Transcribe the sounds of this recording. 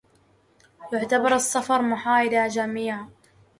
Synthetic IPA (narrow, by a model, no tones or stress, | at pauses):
jʊʕt̪abɑɾˤɨsːɑfɑɾˤmʊħaːʔɪlad͡ʒamiːʕa